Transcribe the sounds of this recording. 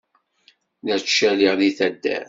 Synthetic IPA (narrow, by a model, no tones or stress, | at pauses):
næt͡ʃːæliʁðiθæd̪ːæ̰